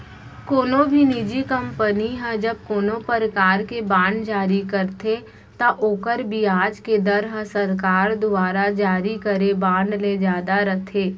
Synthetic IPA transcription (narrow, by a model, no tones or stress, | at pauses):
koːnõbʱinid͡ʒikɐ̃mpəniɦɛ̃d͡ʒɐb̚koːnõpəɾəkaːɾkebãːɳɖd͡ʒaːɾikəɾt̪ʰe | t̪aʔoːkəɾbʱiaːd͡ʒked̪ɐɾɦəsəɾkaːɾd̪ʊaːɾad͡ʒaːɾikəɾebãːɳɖled͡ʒaːd̪aɾɐt̪ʰeː